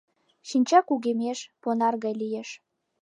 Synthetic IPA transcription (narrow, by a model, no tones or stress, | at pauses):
ʃinʲt͡ɕɑkuɣemeʃponɑrɣɑjlijeʃ